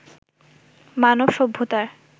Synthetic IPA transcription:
manobʃobʱːot̪aɾ

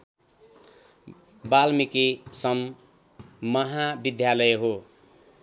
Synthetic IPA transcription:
balmikisʌmː | ʌɦabid̪ʱjalʌjeɦo

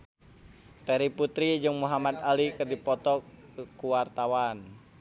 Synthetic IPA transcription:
t̪ɛɾiput̪ɾid͡ʒɨŋmuɦamad̪alikɨrdipɔt̪ɔkuwart̪awan

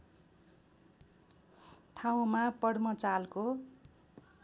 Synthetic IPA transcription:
t̪ʰaw̃mapʌɽmʌt͡salko

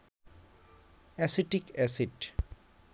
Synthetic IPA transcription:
ɛsiʈikɛsiɖ

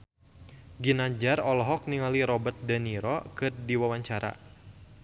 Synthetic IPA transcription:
ɡinad͡ʒarɔlɔɦɔk̚niŋaliɾɔbət̪̚daniɾɔkɨrdiwawaɲt͡ʃaɾa̰

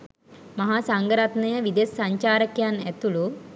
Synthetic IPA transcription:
mɐɦaːsaŋɡəɾat̪nɐjəʋid̪esːaɲt͡ʃaːɾəkjanæt̪ulu

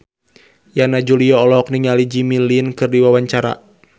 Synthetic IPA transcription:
janad͡ʒuliɔɔlɔɦɔk̚niŋalid͡ʒimilinkɨrdiwawaɲt͡ʃaɾa̰

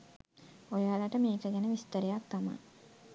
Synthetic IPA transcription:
ojaːlaʈəmeːkəɡænəʋist̪əɾejak̚t̪ama̰

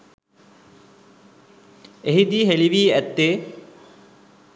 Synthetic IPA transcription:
eɦid̪iɦeliʋiːæt̪ːeː

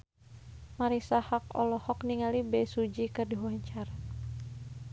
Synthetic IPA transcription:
maɾisahakɔ̰lɔhɔkniŋalibɛsud͡ʒikɨrdiɦuaɲt͡ʃaɾa

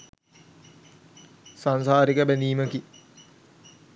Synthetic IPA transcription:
sansaːɾikəbæniːməki

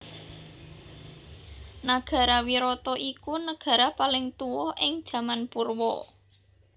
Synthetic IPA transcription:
naɡ̥ä̤ɾawiɾɔt̪ɔʔikunəɡ̥a̤ɾapalɪŋt̪uwɔhʔɪŋd̥ʒ̥ä̤manpurwɔ

